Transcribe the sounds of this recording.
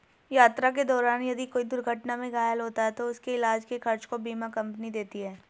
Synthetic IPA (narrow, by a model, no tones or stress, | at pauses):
jaːt̪ɾak̬ed̪ɔːɾaːnjɐd̪ikoːid̪ʊɾɡʱɐʈnamẽɡaːjəlɦoːt̪aɦɛt̪oʊskeɪlaːd͡ʒkexɐɾt͡ʃkobiːmakɐ̃mpnid̪eːt̪iɦɛː